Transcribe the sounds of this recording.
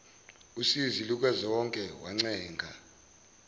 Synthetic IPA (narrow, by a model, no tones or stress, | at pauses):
usiziluk̬ʼazɔɔŋkʼɛwaŋ͡ǀɛːŋɡʱa̰